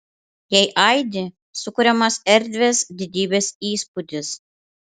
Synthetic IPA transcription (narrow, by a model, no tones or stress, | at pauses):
jɛɪʔɐɪd̪ʲɪ | sʊkʊɾʲɛmɐsɛɾʲd̪ʲʋʲeːsd̪ʲɪd̪ʲiːbʲeːsiːspʊd̪ʲɪs